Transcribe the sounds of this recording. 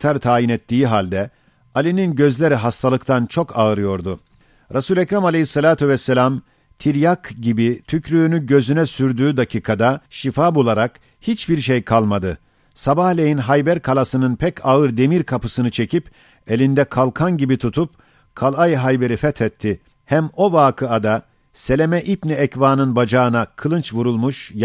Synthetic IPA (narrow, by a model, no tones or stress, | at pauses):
t̪ʰaɾt̪ʰaːjinɛt̪ːiːɦalʲd̪ɛ | alʲininɟø̞zlʲe̞ɾiɦast̪ʰalˠɯkt̪ʰant͡ʃʰo̞kʰaɯɾɯjo̞ɾd̪ʊ | ɾasuːlʲɛcɾamalʲejisːalʲaːt̪ʰyvɛsːelʲam | t̪ʰiɾjakɟibit̪ʰycɾyːnyɟø̞zynɛsyɾd̪yːd̪acʰiːkʰad̪aʃifaːbulˠaɾak | hit͡ʃbiɾʃejkʰalˠmad̪ɯ | sabahlʲejinɦajbæɾkʰalˠasɯnɯnpʰɛcʰaɯɾd̪e̞miɾkʰapɯsɯnɯt͡ʃʰe̞cʰip | elʲind̪ɛkʰalˠkʰanɟibit̪ʰut̪ʰup̚ | kʰalˠajɦajbe̞ɾifɛt̪ʰɛt̪ʰːɪ | hæmo̞vaːkʰɯad̪a | se̞lʲe̞mɛʔit̪niɛcvaːnɯnbad͡ʒaɯnakʰɯlˠɯnt͡ʃvuɾulˠmuʃ